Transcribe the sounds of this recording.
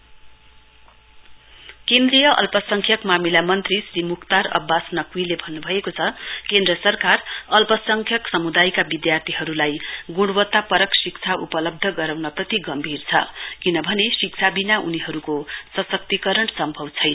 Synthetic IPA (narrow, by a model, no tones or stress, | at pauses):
kend̪rijʌʔʌ̰lpʌsʌŋkʰjʌkmamilamʌnt̪risrimukʰt̪aɾʌ̰bːasnʌkuilebʱʌnːubʱʌekot͡sʰʌkend̪ɾʌsʌrkarʌlpʌsʌŋkʰjʌksʌmud̪ajkabid̪jart̪ʰiɦʌɾulajɡuɽwʌt̪ːapʌɾʌksik̚t͡sʰaʔupʌlʌb̚d̪ʱʌɡʌɾawnʌprʌt̪iɡʌmbʱirt͡sʰʌ̰kinʌbʱʌnesik̚t͡sʰabinauniɦʌɾukosʌsʌk̚t̪ikʌɾʌɳsʌmbʱʌbt͡sʰʌjn